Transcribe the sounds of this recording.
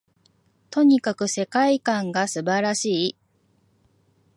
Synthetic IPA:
t̪o̞ɲ̟ikakɯ̟se̞kaikãŋɡasɨbaɾaɕiː

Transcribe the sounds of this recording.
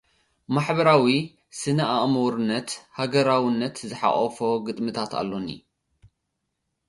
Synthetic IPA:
maħbɐɾawi | sɨnaʔaʔmuɾɨnːɐt̪haɡɐɾawinːɐt̪zɨħa̰χʼɐfoɡɨt̪ʼmɨt̪ʰat̪a̰lːo̞nḭ

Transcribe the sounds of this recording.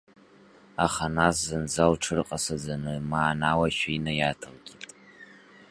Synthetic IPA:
aχanas̬zɨnzalʈ͡ʂʰɨrqʼasad͡zanɨmaːnawaʃᶣainɨjatʰalɡʲʼitʼ

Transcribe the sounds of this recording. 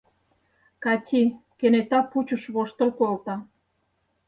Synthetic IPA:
kɑtʲʰikenet̪ɑput͡ɕə̆ʃβoʃt̪ə̆lkolt̪ɑ

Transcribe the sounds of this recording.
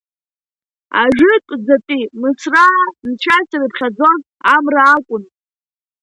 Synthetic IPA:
a̰ʒᶣɪtʷʼzapʼimɨsramt͡ɕʷʰasiɾɨpʰχʲad͡zo̞z | amraːkʷʼʊn

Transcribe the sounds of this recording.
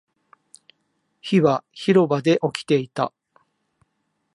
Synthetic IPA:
çiβaçiɾo̞bad̪e̞ʔo̞kʲi̥t̪e̞it̪a̰

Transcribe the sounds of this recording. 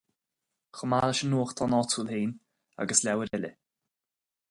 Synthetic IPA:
xəmaːləʃənːuːxt̪ʰɔnɔtʰuːlheːn | a̰ɡəslʲɛwəɾɛlʲə̰

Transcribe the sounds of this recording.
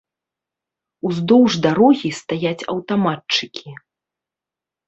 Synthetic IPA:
uzd̪ɔwʐd̪aɾɔɣʲist̪ajat͡sʲɐ̰wt̪amatt͡ʂɨkʲʰi

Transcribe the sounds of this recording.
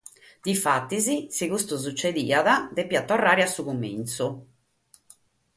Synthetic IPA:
d̪̥ifat̪ːizisikust̪uzut͡ʃːed̪iːaðad̪epːiat̪ːɔrːaːɾiasːukumːḭnt̪su

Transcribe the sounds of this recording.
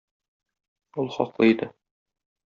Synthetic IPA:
ulˠχɒ̰qlˠɤid̪ɘ

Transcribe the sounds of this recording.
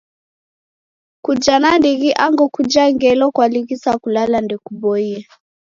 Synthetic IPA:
kud͡ʒanandiɣiʔaŋɡɔkud͡ʒaŋɡɛlɔkwaliɣisakulalandɛkubɔiɛ

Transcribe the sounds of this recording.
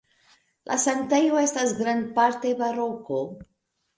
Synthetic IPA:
lʔa̰sant̪ejoe̞stasɡɾandpaɾt̪e̞baɾoko̞

